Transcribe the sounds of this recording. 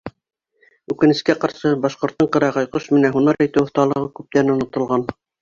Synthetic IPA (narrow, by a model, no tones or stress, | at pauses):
ʉkɘ̆nɘ̆skæqɑɾʃɤbɑʃqŏɾt̪ːɤɴqɤ̆ɾɑʁɑjqoʃmɘ̆næɦunɑɾæ̆jt̪ɘwŏθt̪ɑlˠɤ̆ʁɤkʉp̚t̪æɾɘnŏnŏt̪ŏlˠʁɑn